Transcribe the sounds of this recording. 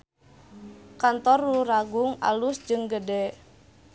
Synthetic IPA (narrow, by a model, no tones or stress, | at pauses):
kant̪ɔruraɡʊŋa̰lusd͡ʒɨŋɡədɛ